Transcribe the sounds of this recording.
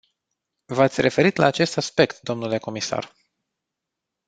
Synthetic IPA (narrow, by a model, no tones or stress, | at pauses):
vat̪sʲre̞fe̞ɾit̪laːt͡ʃe̞st̪aspe̞kt̪̚d̪o̞mnule̞ko̞misa̰r